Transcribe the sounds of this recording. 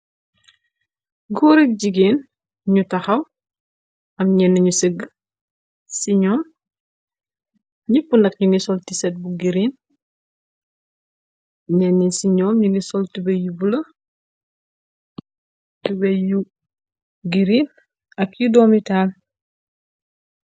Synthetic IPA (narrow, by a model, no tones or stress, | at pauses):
ɡɔɾik̚ɟiɡeːn | ɲutɐxɐw | ɐmɲɛnːɐɲuseɡ | siɲɔːm | ɲipːundɐkɲunisɔltisɛt̚buɡiɾin | ɲɛnːisiɲɔːmɲunisɔltibɐjubulɐ | tubɐju | ɡiɾin | ɐkjudɔːmital